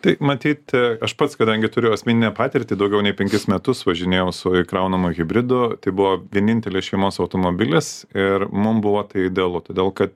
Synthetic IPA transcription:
t̪ɐɪmɐt̪ʲiːt̪ɐʃpɐt̪skɐd̪ɐŋʲɡʲɪt̪ʊɾʲɪjʊɐsʲmʲɪnʲɪnʲɛpɑːt̪ʲɪɾʲt̪ʲɪd̪ɐʊɡʲɛʊnʲɛɪpʲɛŋʲkʲɪsmʲɛt̪ʊsʋɐʒʲɪnʲeːjɛʊsʊɪkɾɐʊnɐmʊɣʲɪbʲɾʲɪd̪ʊt̪ɐɪbʊʋoːʋʲiɛnʲɪnʲt̪ʲɛlʲɪsʃʲɛɪmoːsɐʊt̪oːmobʲɪlʲɪsɪɾmʊmbʊʋoːt̪ɐɪɪd̪ʲɛɐlˠʊt̪oːd̪ʲeːlˠkɐt̪

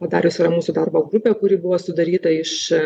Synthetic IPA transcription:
pɐd̪ɑːɾʲʊsɪɾɐmuːsʊd̪ɑɾboːɡɾʊpʲeːkʊɾʲɪːbʊʋoːsʊd̪ɐɾʲiːt̪ɐɪʃ

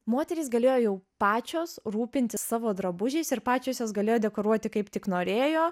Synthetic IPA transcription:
moːt̪ʲɛɾʲɪːsɡɐlʲeːjoːjɛʊpɑːt͡ʃʲoːsɾuːpʲɪnʲt̪ʲɪssɑːʋoːd̪ɾɐbʊʒʲɛɪsɪɾpɑːt͡ʃʲoːsʲjoːsɡɐlʲeːjoːd̪ʲɛkoːɾuɔt̪ʲɪkɐɪpt̪ʲɪknoːɾʲeːjoː

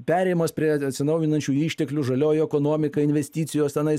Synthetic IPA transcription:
pʲæːɾʲɛɪmɐspʲɾʲiɛɐt̪ʲsʲɪnɐʊjɪnɐnʲt͡ʃʲuːiːʃʲt̪ʲɛklʲuːʒɐlʲoːjʊɛkoːnoːmʲɪkɐɪnʲʋʲɛsʲt̪ʲiːt̪sʲɪjoːst̪ʲɛnɐɪ

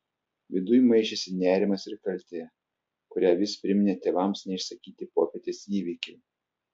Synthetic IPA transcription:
ʋʲɪd̪ʊjmɐɪʃʲesʲɪnʲæːɾʲɪmɐsɪɾkɐlʲt̪ʲeː | kʊɾʲæːʋʲɪspʲɾʲɪmʲɪnʲet̪ʲeːʋɐmsnʲɛɪʃsɐkʲiːt̪ʲɪpoːpʲeːt̪ʲeːsiːʋʲiːkʲɛɪ

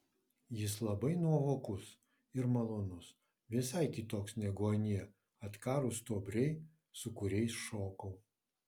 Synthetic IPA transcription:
jɪslˠɐbɐɪnuɔʋoːkʊs | ɪɾmɐlˠoːnʊs | ʋʲɪsɐɪkʲɪt̪oːksnʲɛɡoːnʲiɛ | ɐt̪kɑːɾʊst̪oːbʲɾʲɛɪ | sʊkʊɾʲɛɪsʃoːkɐʊ

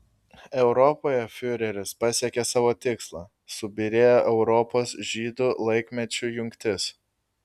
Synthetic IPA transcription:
ɛʊɾɔpoːjɛfʲʊɾʲɛɾʲɪspɑsʲeɛkʲesɑːʋoːt̪ʲɪkslˠɑː | sʊbʲɪɾʲeːjoʔɛʊɾɔpoːsʒʲiːd̪ʊlˠɐɪkʲmʲɛt͡ʃʲʊjʊŋʲkt̪ʲɪs

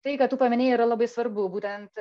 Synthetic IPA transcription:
t̪ɐɪkɐtt̪ːuːpɐmʲɪnʲeːjiːɾɐlˠɐbɐɪsʋɐɾbʊbuːt̪ʲɛnt̪

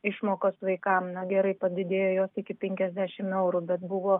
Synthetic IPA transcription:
ɪʃmoːkoːsʋɐɪkɐmnɐɡʲɛɾɐɪpɐd̪ʲɪd̪ʲeːjoːjoːsɪkʲɪpʲɛŋʲkʲɛzʲd̪ʲæʃʲɪmɛʊɾubʲɛt̪bʊʋoː

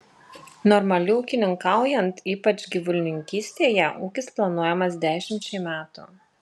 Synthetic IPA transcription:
nɔɾmɐlʲɪuːkʲɪnʲɪŋkɑˑʊjɛnt̪iːpɐt͡ʃʲɡʲiʋʊlʲnʲɪŋʲkʲiːsʲt̪ʲeːjɛʔuːkʲɪsplˠɐnuɔjɛmɐs̬d̪ʲæːʃʲɪmʲt͡ʃʲɛɪmʲæːt̪ʊ̰

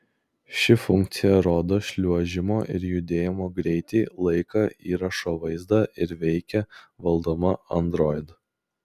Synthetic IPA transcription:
ʃʲɪfʊŋʲk̚t̪sʲɪjɛɾoːd̪oːʃʲlʲuɔʒʲɪmoːʔɪɾjʊd̪ʲeːjɪmoːɡɾʲɛɪt̪ʲɛɪlˠɐɪkɐʔiːɾɐʃoːʋɐɪzd̪ɑʔɪɾʋʲɛɪkʲɛʋɐlˠd̪oːmɐɐ̰nd̪ɾɔːɪd̪

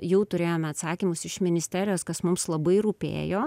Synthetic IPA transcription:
jɛʊt̪ʊɾʲeːjoːmʲɛɐt̪sɑːkʲimʊsɪʃmʲɪnʲɪsʲt̪ʲæːɾʲɪjoːskɐsmʊmslˠɐbɐɪɾuːpʲḛːjoː

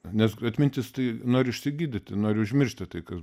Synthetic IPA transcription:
nʲɛsɐt̪ʲmʲɪnʲt̪ʲɪst̪ɐɪnoːɾʲɪɪʃʲsʲɪɡʲiːd̪ʲɪt̪ʲnoːɾʲɪʊʒʲmʲɪrʃʲtʲɪt̪ɐɪkɐs

